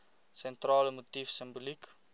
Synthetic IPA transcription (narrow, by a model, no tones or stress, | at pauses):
sɛ̃nt̪ralmot̪ifsɛ̃mbolik